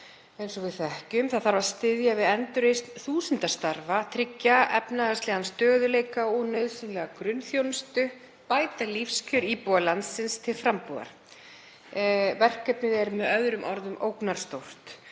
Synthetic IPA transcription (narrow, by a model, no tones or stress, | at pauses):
ejnsɔvɪðθɛhcʏmθaðθaɾvaɾst̪ɪðjavɪðɛnt̪ʏɾejst̪θuːsʏnt̪ast̪aɾvat̪ʰɾɪcːaʔɛ̰pnaɣast̪lɛɣanst̪œːðʏlejkaɔnœɥðsʏnlɛɣakɾʏnːθjownst̪ʏ | paːjt̪alifscʰœɾiːpɔalant̪sːɪnst̪ʰɪlfɾampuða̰ɾ̥ | vɛr̥kɛpnɪðɛɾmɛðœðɾʏmʔɔɾðʏmʔowknaɾ̥st̪owr̥t̪